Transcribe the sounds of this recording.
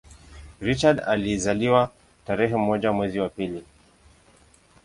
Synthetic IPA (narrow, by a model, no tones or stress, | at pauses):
ɾit͡ʃadalizaliwa | taɾɛɦɛm̩ɔʄamwɛziwapili